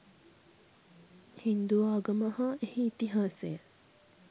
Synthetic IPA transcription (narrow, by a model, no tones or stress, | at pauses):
hind̪uʋaːɡɐməhaehiːt̪iɦaːsejə